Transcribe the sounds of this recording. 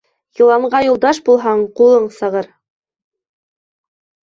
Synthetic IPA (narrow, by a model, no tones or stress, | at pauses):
jɤ̆lˠɑɴʁɑjulˠd̪ɑʃbulˠɦɑɴqulˠɤɴsɤ̆ʁɤɾ